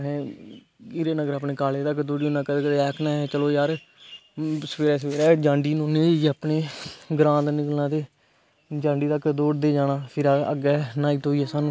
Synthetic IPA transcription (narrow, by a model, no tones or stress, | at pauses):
ɦɛ̃ː | ɪɾeːnəɡəɾəp̬neːkaːleːt̪əkd̪oːɖiːonãːkəd̪eːkəd̪eːɛːkʰnãːɦɛːt͡ʃəloːjaːɾ | səpeːɾɛːs̬əpeːɾɛːd͡ʒãːɳɖiːnoːned͡ʒapneːɡɾãːt̪nɪkəlnãːd̪eː | d͡ʒãːɳɖiːt̪əkd̪oːɖd̪eːd͡ʒaːnãːpʰɪɾə̰ɡɛːnaːiːt̪oːiːɛːsaːnũː